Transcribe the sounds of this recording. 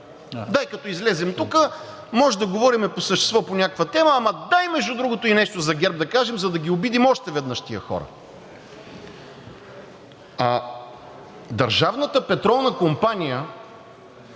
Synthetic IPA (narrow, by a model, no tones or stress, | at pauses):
d̪aikɐt̪ɔizlɛzɛmt̪ukə | mɔʒɛd̪ɐɡovɔɾimɛposəʃt̪ɛ̥st̪vɔponʲakəkvɐt̪ɛməːmɐd̪ajmɛʒd̪ud̪ɾuɡot̪ʊinɛʃt̪ozɐɡʲɛɾb̚d̪ɐkaʒɛmzɐd̪ɐɡʲiobid̪imɔʃt̪ɛvɛd̪nɤʃt̪ijəxɔ̰ɾə̰ | a | d̪ɐɾʒavnət̪əpɛt̪ɾɔlˠnəkompanʲijə